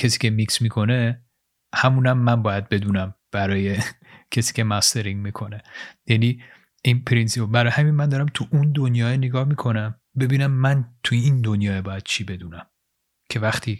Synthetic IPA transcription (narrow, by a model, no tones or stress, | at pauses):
cʰesiːkʲcʰe̞miksmiːkʰo̞ne | hæmuːnæmːænbɒːjæd̪̚be̞d̪uːnæmb̥æɾɒːje̞ | cʰesiːcʲʰe̞mæst̪ʰeɾiŋɡmiːkʰo̞ne̞jæniː | inpʰɾinsiobæɾɒːjhæminmænd̪ɒːɾæmt̪ʰuʔund̪onjɒːeneɡɒːhmikʰo̞næm | be̞biːnæmːænt̪ʰujeind̪o̞njɒːebɒːjæd̪̥t͡ʃʰiːbe̞d̪uːnæm | cʰe̞væxt̪ʰiː